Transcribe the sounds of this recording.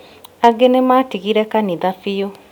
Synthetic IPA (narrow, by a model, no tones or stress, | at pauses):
aɡenematiɣiɾɛkaniðafio